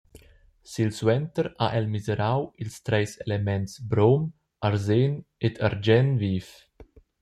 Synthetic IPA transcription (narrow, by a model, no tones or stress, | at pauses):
silswɛnt̪əɾaʔɛlmizeɾawilst̪ɾɛjselemɛntsbɾom | aɾzenet̪ʰaɾd͡ʒɛnviːf